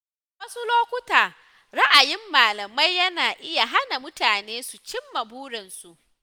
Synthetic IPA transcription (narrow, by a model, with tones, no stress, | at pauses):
wɐ˦su˦loː˦kʷʊ˦taː˨ | ɾa˦ʔa˨jɪ˦mːaː˨lɐ˨ma˦jːɐ˦naː˨ʔɪ˦ja˨ɦa˦na˨mʊ˦taː˨neː˦su˨t͡ʃɪ˦mːɐ˨buː˦ɽɐ˨nsu˨ʔ